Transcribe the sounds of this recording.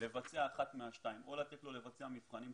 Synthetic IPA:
le̞vat͡seaːχat̪meaʃtaimʔo̞lat̪eklo̞le̞vat͡seamifχanim

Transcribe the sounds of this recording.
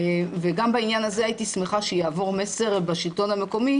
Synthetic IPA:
veɡambainjanazeajitismeχaʃejaːvo̞ʁme̞se̞ʁbaʃilt̪o̞name̞ko̞mi

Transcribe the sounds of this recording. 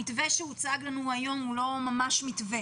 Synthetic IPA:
it̪veʃeut͡saɡlanuajo̞mulo̞mamaʃmit̪ve

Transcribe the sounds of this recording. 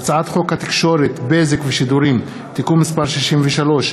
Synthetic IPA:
at͡saat̪χo̞khat̪i̥kʃo̞ɾet̪bezekveʃid̪uɾim | t̪ikumːispaʁʃiʃimveʃalo̞ʃ

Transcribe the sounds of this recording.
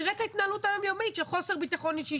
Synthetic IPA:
ʁetait̪naːlut̪ajomjomitʃelχo̞seʁbit̪aχo̞niʃei

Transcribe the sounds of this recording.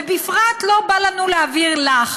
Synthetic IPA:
ebifʁat̪lo̞balanuleaviʁlaχ

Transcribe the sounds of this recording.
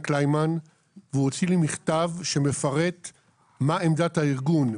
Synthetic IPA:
klajman | veuot͡silimiχtavʃe̞me̞faʁe̞t̪ | maemdathaiʁɡun

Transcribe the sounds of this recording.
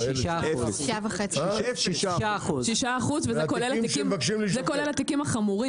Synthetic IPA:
iʃaʃavaχet͡siʃiʃʃaχuzʃʃaːχuzvezekolelatikimvakʃimlizekolelat̪ikimaχamuʁi

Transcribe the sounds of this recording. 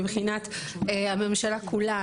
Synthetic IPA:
ibχinat̪ | eame̞mʃalakula

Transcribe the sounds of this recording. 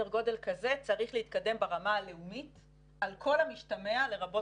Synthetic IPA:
eʁɡo̞de̞lkaze̞t͡saʁiχleit̪̚kadembaʁamaale̞umit | alkʰo̞lhamiʃtameale̞ʁabo̞

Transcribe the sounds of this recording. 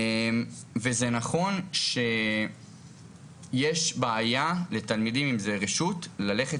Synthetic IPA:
mvezenaχo̞nʃe̞ | jeʃbeajale̞talmidimimzeʁeʃutlale̞χe

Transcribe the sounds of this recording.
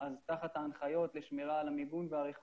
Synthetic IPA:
azt̪aχat̪haːnχajo̞t̪leʃmeʁaːlamibunveaʁeχ

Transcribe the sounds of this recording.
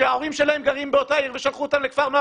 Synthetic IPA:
eao̞ʁimʃe̞lahemɡaʁimbeo̞toaiʁve̞ʃalχuot̪amlekvaʁno

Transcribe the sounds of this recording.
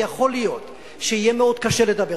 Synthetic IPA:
aχo̞lijo̞t̪ | ʃeijemeo̞d̪̚kaʃeled̪abe

